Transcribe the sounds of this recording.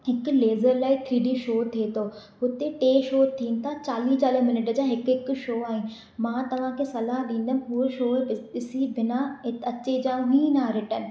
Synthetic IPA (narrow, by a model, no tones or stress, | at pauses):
ɦɪkʊ̆leːzəɾlaːit̪ʰɾiːɖiʃoːt̪ʰiet̪ʰoː | ɦʊt̪eʈeːʃoːt̪ʰiːnɪ̆t̪ʰat͡ɕaːliːt͡ɕaːləɦmɪnɪʈəd͡ʑaːɦɪkɦɪk̆ʃoːaːɦɪnɪ̆ | mãːt̪ɐʋ̤ãkʰesɐlaɦɗĩːn̆d̪ənɦuʃoːɪɪsibɪnaɪɐt͡ɕed͡ʑãːɦĩːnaɾɪʈən̆